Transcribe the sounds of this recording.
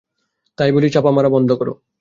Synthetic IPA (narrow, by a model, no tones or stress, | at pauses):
t̪ajbolit͡ɕapamaɾabɔnd̪ʱokɔɾo̰